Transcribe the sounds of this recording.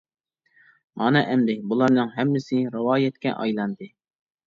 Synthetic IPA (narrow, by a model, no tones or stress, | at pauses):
mɑnɑʔɛmd̪ɪbulˠɑɾnɨŋɦɛmːɪsɪɾɨwɑːjɛt̪kʲɛ̰ʔɑ̰jlˠɑnd̪ɨ